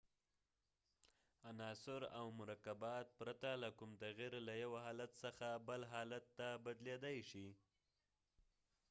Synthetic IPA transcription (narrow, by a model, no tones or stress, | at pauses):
anɑsʊɾa̰wmʊɾakabɑt̪̚pɾat̪alakʊmt̪aɣiɾlajawaɦɑlat̪səxabəlɦɑlat̪ːabad̪led̪ajʃi